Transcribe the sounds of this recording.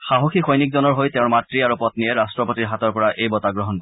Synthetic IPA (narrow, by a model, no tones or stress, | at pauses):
xaɦoxʰixʰɔjnikzɔnɔɹɦojteʊ̃ɹmatɹiaɹupɔtniɛɹastɹɔpotiɹɦatɔɹpɔɹaʔejbɔtaɡɹɔɦɔnkɔɹɛ